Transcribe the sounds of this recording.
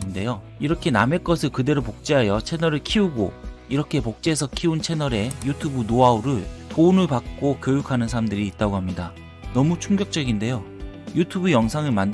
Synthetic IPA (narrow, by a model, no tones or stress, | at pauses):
nde̞jo | iɾʌkʰe̞name̞k͈ʌsʰɯɭkɯde̞ɾopok̚t͡ɕ͈eɦajʌt͡ɕʰe̞nʌɾɯɭkʰiuɡoiɾʌkʰe̞pok̚t͡ɕ͈eːsʰʌkʰiunt͡ɕʰe̞nʌɾe̞jutʰubunoauɾɯɭpounɯɭpak̚k͈okjojukʰanɯnsʰaɾamdɯɾiːt̚t͈aɡoɦamɲida | nʌmut͡ɕʰuŋɡjʌk̚t͡ɕ͈ʌɡinde̞jo | jutʰubujʌŋsʰaŋɯɭmand